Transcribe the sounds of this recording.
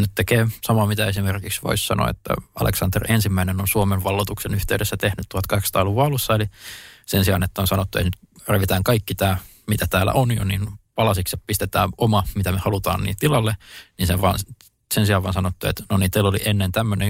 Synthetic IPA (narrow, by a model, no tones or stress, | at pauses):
nytt̪ekeːsɑmɑmit̪æesimerkiksʋo̰issɑ̰nʔo̰ḛt̪ːæ̰ɑ̰lḛksɑnd̪erensimːæinenonsuomeʋʋɑlːot̪uksenyht̪eydesːæt̪ehnyt̪t̪uɑt̪kɑkst̪ɑːluʋɑɑlusːɑelisensiɑ̰net̪ːæonsɑnot̪ːuḛt̪nyt̪reʋit̪æːŋkɑikːit̪æː | mit̪æt̪æːlæ̰ʔonjo̰ninpɑlɑsikseppist̪et̪æːomɑmit̪æmehɑlut̪ɑ̰ːnnḭːlt̪ilɑlːeninseʋʋɑ̰ːn | sensiɑʋɑːnsɑnot̪ːuḛt̪nonint̪eilːolḭʔenːent̪æmːøne